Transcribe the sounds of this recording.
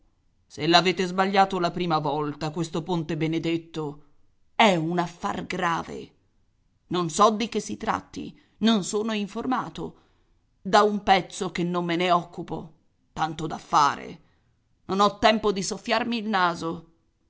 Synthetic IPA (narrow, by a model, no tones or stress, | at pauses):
selːaveːt̪ezbaʎːaːt̪olapɾiːmavɔlt̪akwest̪opont̪ebened̪et̪ːo | ɛunafːa̰rɡɾaːvḛ | nonsɔd̪ik̟esːit̪ɾa̰t̪ːḭ | nonsoːnoiɱformaːt̪o̰ | d̪aumpɛt̪sːokenːomːeneɔkːupo̰ | t̪ant̪od̪afːaːɾḛ | nonɔt̪ːɛmpod̪isofːjarmiːlnaːzo